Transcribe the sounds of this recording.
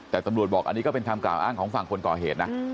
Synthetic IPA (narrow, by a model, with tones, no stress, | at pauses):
t̪ɛː˨˩t̪a˧mɾu˨˩ət̪̚bɔː˨˩k̚ʔa̰˧niː˦˥kɔː˥˩pe˧nt̪ʰaː˧mkla̰ː˨˩wʔaː˥˩ŋkʰɔː˩˦ŋfa˨˩ŋkʰo˧nkɔ̰ː˨˩ɦeː˨˩t̪̚na˦˥